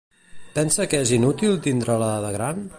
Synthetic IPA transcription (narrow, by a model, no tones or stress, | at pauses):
pɛnsəkɛzinut̪ilˠt̪ind̪ɾələðəɣɾan